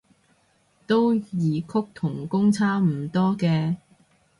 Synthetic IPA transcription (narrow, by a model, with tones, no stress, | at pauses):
t̪o˥wjiː˨˧kʰʊ˥k̚t̪ʰʊ˨˩ŋkʊ˥ŋt͡sʰaː˥m̩˨˩t̪ɔː˥kɛː˧